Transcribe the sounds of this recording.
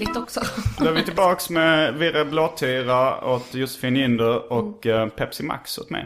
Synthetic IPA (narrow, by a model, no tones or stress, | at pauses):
ɪt̪ɔksɔd̪æːvɪt̪ʰɪlbɑːksmɛvɪɾəbloːd̪̚t̪ʰyːɾaɔt̪jʊsə̥fɪːnɪnd̪əɾɔkpʰɛpsɪma̰kshʊ̰t̪mɛ̰j